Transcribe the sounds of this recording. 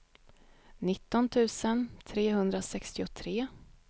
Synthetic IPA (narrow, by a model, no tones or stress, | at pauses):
nɪt̪ːɔnt̪ʰʉ̟ːsənt̪ʰɾeːɦɵnd̪ɾasɛkst̪ɪʊt̪ʰɾeː